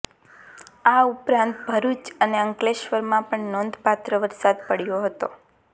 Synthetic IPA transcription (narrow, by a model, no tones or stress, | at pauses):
aupɾãnt̪bʱəɾut͡ʃəneəŋkleʃʋəɾmãpəɳnond̪ʱpat̪ɾəʋəɾsad̪pəɽjoɦət̪o